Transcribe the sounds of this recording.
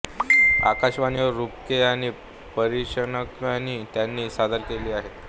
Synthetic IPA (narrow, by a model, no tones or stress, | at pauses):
a̰kaɕʋaniʋəɾɾupkeaɽ̃i | pəɾiʂənəkaniːt̪janːiːsad̪ʱəlkeliːaɦet̪